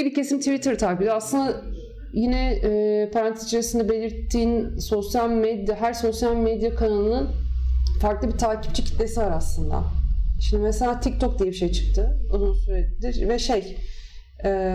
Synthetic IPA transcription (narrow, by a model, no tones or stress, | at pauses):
bicʰe̞simt̪ʰivit̪ʰɯɾt̪ʰakibd̪ʲaslˠɯnd̪a | jinɛɛpʰaɾant̪ʰizt͡ʃʰaɾasɯnd̪ɛbe̞lʲiɾt̪ʰːiːnso̞sjalʲmed̪jaɦæɾso̞sjalʲmed̪jakʰanalˠɯnɯnfaɾklˠɯbit̪ʰaːci̥p̚t͡ʃʰicʰi̥t̪lʲesivaɾaslˠɯnd̪a̰ʃimd̪imɛselʲaːt̪ʰic̚t̪ʰok̚d̪ijɛbiʃe̞jt͡ʃʰɯ̥k̚t̪ʰɯozunsyɾɛt̪d̪iɾvɛʃej | ɛː